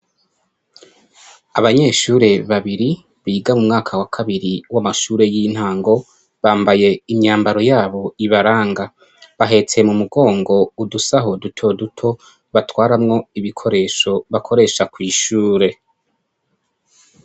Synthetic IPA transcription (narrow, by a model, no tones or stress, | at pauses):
aβaɲe̞ʃuːɾe̞βaβiɾi | βiːɡamumŋaːkʰawakʰaβiɾiwamaʃuːɾe̞jin̥haːŋɡo̞ | βaːmbaje̞imɲaːmbaɾo̞jaːβo̞iβaɾaːŋɡa | βaɦe̞t͡semumuɡo̞ːŋɡo̞udusaɦo̞dutʰo̞dutʰo̞ | βatwaːɾamŋo̞iβikʰo̞ɾe̞ːʃo̞βakʰo̞ɾe̞ʃakwiːʃuːɾe̞